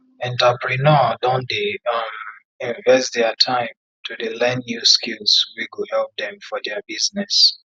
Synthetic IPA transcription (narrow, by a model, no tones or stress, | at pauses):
ɛ̃ntəpɹinɔdɔ̃ndeʌm | ĩnvɛsdɛtʰãɪ̃m | tʰudəlɛ̃nːjuskilˠswikuhɛlp̚dɛ̃mfɔdɛbiznɛs